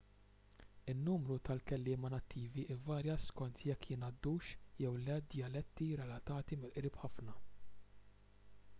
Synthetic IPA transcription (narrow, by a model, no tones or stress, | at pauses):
ɪnːuːmɾut̪ɐlkɛlːɪːmɐnɐt̪ːiːviʔɪvɐːɾjɐskɔnt̪ʰjɛkːjɪnɐd̪ːuːʃjɛwlɛd̪jɐlɛt̪ːiɾɛlɐt̪ɐːt̪imɪlʔɾiːpħɐfnɐ